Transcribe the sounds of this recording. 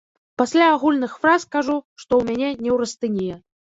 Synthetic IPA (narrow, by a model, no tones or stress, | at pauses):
pasʲlʲaːɣulʲnɨxfɾaskaʐuʂt̪ɔwmʲanʲɛnʲɛwɾɐst̪ɨnʲijɛ